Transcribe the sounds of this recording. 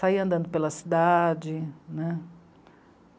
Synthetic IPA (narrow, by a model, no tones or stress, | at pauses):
saiɐ̃nd̪ɐ̃nd̪ʊpelɐsid̪ad͡ʒɪnɛ